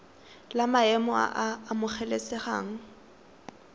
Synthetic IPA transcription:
lamaɛmɔa̰ʔaːmʊχʰɛlesɛχa̰ːŋ̩

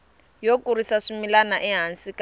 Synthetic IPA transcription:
jokʼurisaʂimilanaʔɛɦansika

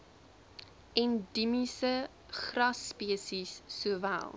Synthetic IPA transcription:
ɛndimisə | χrɐspiəsisːuəvæ̰lˠ

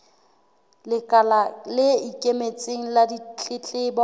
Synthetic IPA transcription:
lɪkʼalalɪikʼemet͡sʼeŋ̩ladit͡ɬʼɪt͡ɬʼɪbɔ

